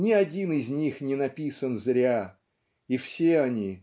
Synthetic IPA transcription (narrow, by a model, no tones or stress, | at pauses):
nʲɪɐdʲinɪzʲnʲixnʲɪnɐpʲisənzɾʲa | ifsʲeɐnʲi